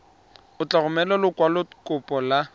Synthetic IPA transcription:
ʊt͡ɬaɣʊmɛlɔlʊkwalʊkʼʊpʼɔla

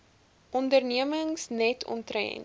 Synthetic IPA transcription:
ʔɔndərniəməŋsnɛtʰɔ̰ntrɛ̰n

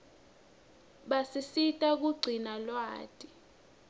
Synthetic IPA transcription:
ɓasisitʼak̬uɡ͡ǀʱinalwa̰ːtʼi

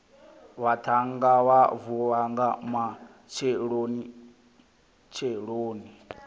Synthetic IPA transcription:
watʰaŋɡawavuɺaŋɡama | t͡ʃʰɛɺoni | t͡ʃʰɛɺoːni

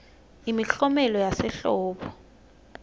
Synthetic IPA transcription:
imiɬɔmɛlɔjasɛɬɔːɓɔ

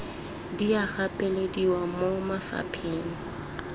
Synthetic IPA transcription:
diaɣapʼelediwamomafa̰pʰeːn̩

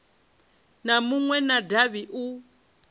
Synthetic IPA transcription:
namuŋwɛnadaβiʔu

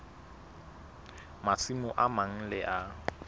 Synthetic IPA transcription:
masʰimʊʔamaŋ̩lɪʔa

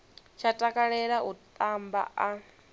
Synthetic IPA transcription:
t͡ʃʰatʼakʼaɺɛɺaʔut̪ʼamba̰a

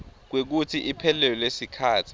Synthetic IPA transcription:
k̬wek̬utʰiʔipʰɛlɛlɔlesikʰaːtʰi̥

